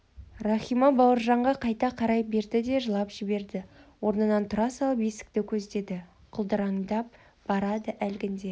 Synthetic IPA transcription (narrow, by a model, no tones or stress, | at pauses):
rɑχijmɑbɑwəɾʒɑɴʁɑqʰɑjt̪ɑqʰɑɾɑjbe̞ɾd̪ɪd̪e̞ʒəlˠɑpʒ̥ɪbe̞ɾd̪ɪwo̞ɾnəd̪ɑnt̪ʰʊɾɑsɑlˠpesɪ̥k̚t̪ɪkʲʰɵzd̪e̞d̪ɪ | qʰʊlˠd̪əɾɑŋd̪ɑp̚ | b̥ɑɾɑd̪əʔælɡʲɪnd̪e̞